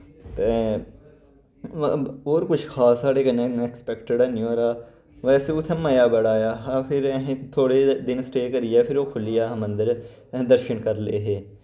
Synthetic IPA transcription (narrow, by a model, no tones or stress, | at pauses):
t̪e | oːɾkʊt͡ʃʰxʰaːsaːɽeːkɐnẽkspɛkʈəɖɛːnɪoːɾaː | ʋɛːseːʊt̪ʰɛ̃məjaːbəɽaːjaːɦapʰɪɾɛɦẽt̪ʰoːɽeːd̪ɪnsʈeːkəɾɪjaːpʰɪɾoːkʰʊlɪjaːɦmə̃nd̪əɾ | ɦd̪əɾʃənkəɾleːɦeː